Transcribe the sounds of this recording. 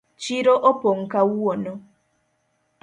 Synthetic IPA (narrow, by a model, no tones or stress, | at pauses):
t͡ʃiɾoʔopoŋ̩kawuwono